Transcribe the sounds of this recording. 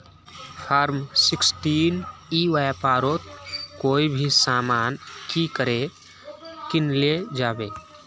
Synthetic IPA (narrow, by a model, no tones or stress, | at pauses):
pʰaɾmsɪksʈiːniʋajpaːɾoːt̪koːibʱisaːmaːnkikəɾe | kɪnled͡ʒaːbeː